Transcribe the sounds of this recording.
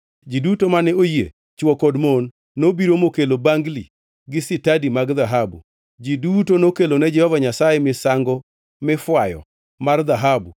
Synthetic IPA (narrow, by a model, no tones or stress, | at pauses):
d͡ʒidutomanɛojḛ | t͡ʃwɔkodmonː | obiɾomokelobaŋɡli | ɡɪsɪtadimaɡðaɦabṵ | d͡ʒidutonokelonɛd͡ʒɛhɔvaɲasajemɪsaŋɡɔ | mɪfwajɔ̰ | mard̪aɦabu